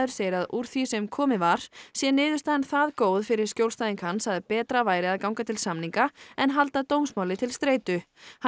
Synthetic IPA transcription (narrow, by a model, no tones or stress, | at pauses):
ðʏɾ̥seːjɪɾaðuɾ̥θvisɛmkʰɔːmɪvaɾ̥sjɛnɪːðʏst̪aðɛnθaðkoːwðfɪɾɪɾ̥skcjowlst̪ajðiŋkhansaðpɛːt̪ɾavaːjɾɪaðkawŋkat̪ʰɪlsamniŋkaɛnɦalt̪at̪owmsmawlɪt̪ʰɪlst̪ɾeːjt̪ʏ | h